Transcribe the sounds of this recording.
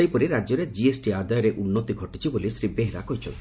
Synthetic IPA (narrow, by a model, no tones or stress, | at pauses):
ajpɔɾiɾad͡ʒɔɾed͡ʒiesʈiad̪ajɔɾeʔunːɔt̪iɡʱɔʈit͡ʃʰibolisɾibeɦeɾa̰kɔɦit͡ʃʰɔ̰n